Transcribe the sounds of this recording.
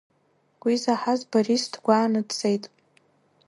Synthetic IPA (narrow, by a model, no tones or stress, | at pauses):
ɡʷizaħazbarisdʰɡʷaːnɨdt͡sʼejtʼ